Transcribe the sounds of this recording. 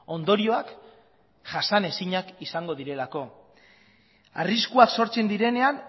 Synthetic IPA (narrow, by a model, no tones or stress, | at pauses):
o̞nd̪o̞ɾio̞ak | ʝasane̞siɲakisaŋɡo̞ðiɾe̞lako̞ | a̰riskuakso̞ɾt͡se̞nd̪iɾe̞ne̞an